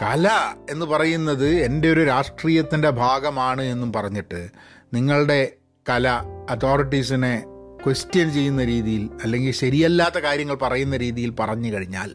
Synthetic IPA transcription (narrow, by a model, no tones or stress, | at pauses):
kɐlɐe̞nːɨpɐrɐjunːɐðɨe̞nde̞oɾuɾaːʂʈriːjɐt̪ːinde̞bʱaːɡɐmaːɳɨe̞nːumpɐrɐɲːiʈːɨ | niŋːɐɭɽe̞ | kɐlɐɐt̪ʰo̞ːriʈ̬ːisine̞kwestijɐnt͡ɕe̞jːunːɐɾiːðijilɐlːe̞ŋɡilɕɐɾijɐlːaːt̪ːɐkaːɾjɐŋːɐɭpɐrɐjunːɐɾiːðijilpɐrɐɲːɨkɐɻiɲːa̰ːl